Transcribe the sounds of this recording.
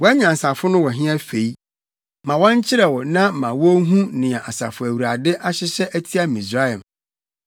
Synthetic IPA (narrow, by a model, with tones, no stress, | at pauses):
wɔ˦æ˦ɲã˨sa˨fʊ˦nʊ̃˦wɔ˨ɦɪ̃˦a˦fe˨i˦ | mã˨wɔ̃˦ɲ˦t͡ɕʰɪ˦ɾɛ˨wɔ˨nã˦mã˨wɔ˦ɦũ˦nɪ̃˨ã˨ʔa˨sa̰˨fʊ˨æ˨wu˨ɾa˨dɪ˦ʔa˦ɕɪ˦ɕɛ˦ʔæ˦tʰi˦a˦mĩ˨sɾa˦ɛ˨m